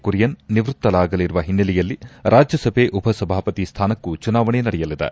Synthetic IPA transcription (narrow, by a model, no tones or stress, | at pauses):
kuɾijɐnːiʋɾut̪ːɐlaːɡɐliɾuʋɐɦinːɐlɛjɐlːiɾʔaːd͡ʒjɐsɐbʱeːʔubʱɐsɐbʱaːpɐt̪ist̪ʰaːnɐkːut͡ʃunaːʋɐɳenɐɽɛjɐlid̪ḛ